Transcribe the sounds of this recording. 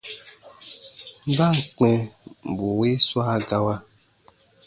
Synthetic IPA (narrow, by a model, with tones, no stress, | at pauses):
m̩˦ba˦˨ŋ̩˨k͡pɛ˨bu˨we˦swa˦ɡa˧wa˦